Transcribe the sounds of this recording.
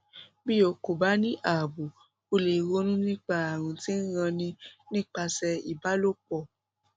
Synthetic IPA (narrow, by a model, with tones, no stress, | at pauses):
bi˦jo˨˧ko˨ba˦nĩ˦ʔa˨bu˨ | o˧le˨ɣo˧˦nũ˦nĩ˦k͡pa˧a˨ɾ̃ũ˨tĩ˦ɣã˧nĩ˧nĩ˦k͡pa˧sɛ˧i˨ba˦lo˦k͡pɔ˧˨